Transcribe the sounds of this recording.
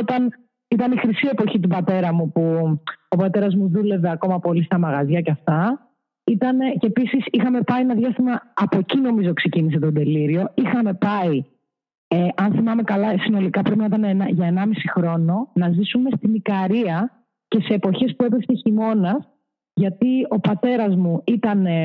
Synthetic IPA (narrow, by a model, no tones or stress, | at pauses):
ot̪ɐn | it̪ɐnixɾisie̞po̞çit̪̬ubɐt̪e̞ɾɐmupuopɐt̪e̞ɾɐzmuðule̞ve̞ɐko̞mɐpo̞list̪ɐmɐɣɐzʝɐceɐft̪ɐ | it̪ɐnecepisisixɐme̞pɐienɐðjʝɐst̪imɐːpo̞cino̞mizo̞kse̞cinis̬e̞t̪od̪e̞liɾio̞ixɐme̞pɐi | eʔɐnθimɐme̞kɐlɐsino̞likɐpɾepinɐit̪ɐneenʝɐenɐmisixɾo̞no̞nɐzisume̞st̪imikɐɾiɐ | ce̞se̞ːpo̞çe̞spue̞peseçimo̞nɐs | ʝɐt̪io̞pɐt̪e̞ɾɐzmuit̪ɐne